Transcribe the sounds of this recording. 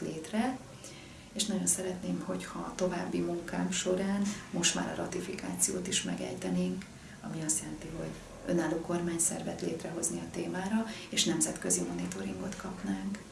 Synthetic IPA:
leːt̪rɛ | eːʃnɒɟo̞nsɛɾɛt̪neːmho̞chɒt̪o̞vaːbːimuŋkaːmʃo̞ɾaːnmo̞ʃt̪ma̰ːɾɒ̰ɾɒt̪ifika̰ːt̪sijo̰ːt̪iʃmɛ̰ɡɛ̰jt̪ɛneːŋk | ɒmiɒst̪jɛlɛnt̪iɦo̞̰ɟ | ø̞̰naːlːoːko̞rmaːɲsɛ̰rvɛt̪leːt̪rɛɦo̞zniɒt̪eːmaːɾɒeːʃnɛmzɛt̪køzimo̞nit̪o̞ɾiŋɡo̞t̪kʰɒpnaːŋk

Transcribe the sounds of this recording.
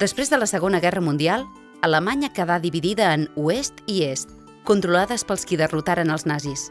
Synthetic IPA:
d̪̥əspɾezðələsəɣonəɣɛrəmund̪ialˠ | ələmaɲəkəðaðiβiðiðəːnuest̪iest̪ | kunt̪ɾulaðəspəlˠskiðərut̪aɾənəlˠznazis

